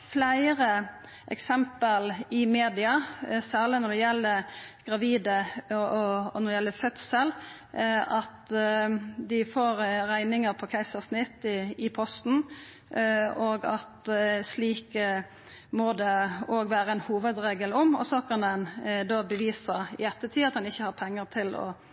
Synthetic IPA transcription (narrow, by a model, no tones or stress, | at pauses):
flæɪɾə | ʔɛ̰ksɛmpəlɪmeːd̪ɪɑsæːʁlɪnɔd̪ɛjɛlːəɡ̥ɾɑʋiːd̪ə | nɔɾɛjɛlːəfœt̪səl | ʔɑt̪ | d̪ɪfoːɾɾæɪnɪŋəpʰɔkʰæɪsəʁsnɪt̪ːɪɪpʰɔst̪n̩ | oːɡɑt̪sliːkə | mɔd̪ɛoːɡʋæːɾəɛnhuːʋəd̪ɾeːɡəlɔmɔ̰sɔkʰɑnɛnd̪oːbəʋiːsəɾɪ̰ɛt̪ːət̪ʰyːɑt̪d̪ɛnɪçːəhɑɾpʰɛŋːəʁt̪ʰɪlɔ̰